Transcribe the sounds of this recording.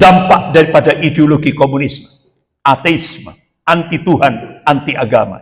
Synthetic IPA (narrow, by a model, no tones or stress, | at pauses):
d̥ampaʔdaɾipadaʔideoloɡikomunismə | at̪eismə | ant̪it̪uɦanant̪iʔaɡama̰